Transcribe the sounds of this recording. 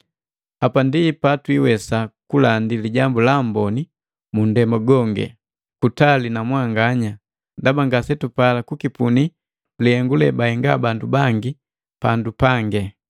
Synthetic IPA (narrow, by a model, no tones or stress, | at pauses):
apandipatwiwɛsakulandiliɟambulambɔni | mundɛmaɡɔŋɡɛ̰ | kutalinamwaŋɡaɲa | ndabaŋɡasɛtupalakukipuni | liɛŋɡulɛbaɛŋɡabandubaŋɡi | pandupaŋɡɛ